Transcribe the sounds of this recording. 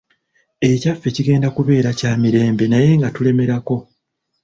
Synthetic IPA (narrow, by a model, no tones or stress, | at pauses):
e̞cafːe̞ciɡe̞ːndakuβe̞ːɾacaːmiɾe̞ːmbe̞naje̞ŋɡatule̞me̞ɾako̞